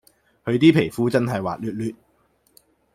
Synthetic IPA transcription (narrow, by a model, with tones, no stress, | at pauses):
hɵ˨˧ɥt̪iː˥pʰe˨˩jfuː˨˥t͡sɐ˥nɦɐ˨jwaː˨t̚lyː˧t̚lyː˧t̚